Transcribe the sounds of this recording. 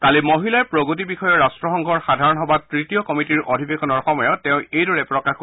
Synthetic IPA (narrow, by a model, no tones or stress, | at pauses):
kalimoɦilaɛpɹoɡut̬ibixɔjɔɹastɹɔxɔŋɡʱɔɹxadʱaɹɔnɦɔbatɹitijɔkɔmitiɹʔodʱibexɔnɔɹxɔmɔjɔtɛ̃ʊ̃ejdɔɹɛpɹɔkax